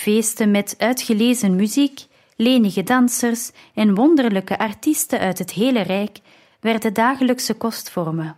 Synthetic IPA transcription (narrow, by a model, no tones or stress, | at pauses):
v̥eːstəmɛtœɥtxəleːzənmyzik | leːnəɣədɑnsərs | ɛnʋɔndərləkəʔɑrtistənʔœɥtɦətɦeːlərɛjk | ʋɛrdədaːɣələksəkɔstfɔrmə